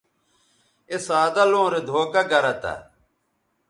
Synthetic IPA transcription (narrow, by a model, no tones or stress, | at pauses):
esaːd̪ɐlõːɾed̪ʱoːkɐɡɐɾɐt̪a̰